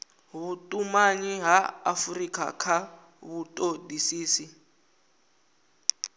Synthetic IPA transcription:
βutʼumaɲiɦaafurikʰʼa̰kʰa | βutʼodisiːsi

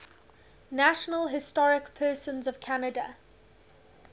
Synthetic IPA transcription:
naʃənəlˠɦɪstɔɹɪkpʰɜːˑsə̃nzəv̥kʰanədə̰

